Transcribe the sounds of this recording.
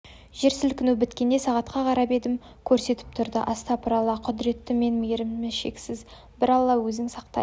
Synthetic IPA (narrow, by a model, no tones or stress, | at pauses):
ʒe̞ɾsɪlkʲʰɪnubɪt̪kʲe̞nd̪e̞sɑʁɑt̪qɑqʰɑɾɑpe̞d̪ɪm | kʲʰɵɾse̞t̪ɪ̥p̚t̪ʰʊɾd̪ə̰ʔɑst̪ɑpʰɑɾɑlˠɑqʰʊd̪ɪɾe̞t̪ːɪme̞nmeɾɪmmɪʃe̞ksɪz | bɪɾɑlˠːɑwɵzɪŋsɑq̚t̪ɑ̰j